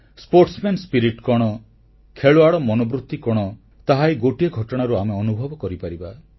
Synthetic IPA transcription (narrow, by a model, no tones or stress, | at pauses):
spoɾʈsmenspiɾiʈkɔɽ̃ɔ | kʰeɭoaɭɔmɔnobɾut̪ːikɔɽ̃ɔ | t̪aɦajɡoʈieɡʱɔʈɔɽ̃aɾuameɔnubʱɔbɔkɔɾipaɾiba